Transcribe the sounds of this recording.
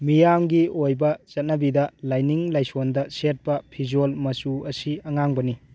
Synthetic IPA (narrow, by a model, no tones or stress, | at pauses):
mijamɡiojbɐt͡ʃɐt̚nɐbidɐlajniŋlajsondɐset̚pɐpʰizolmɐsuɐsiɐŋaŋbɐni